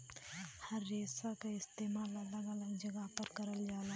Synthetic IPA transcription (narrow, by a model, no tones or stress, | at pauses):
həɾːeːsakaɪst̪eːmaːlələɡələɡd͡ʒəɡəɦpəɾkəɾəld͡ʒaːla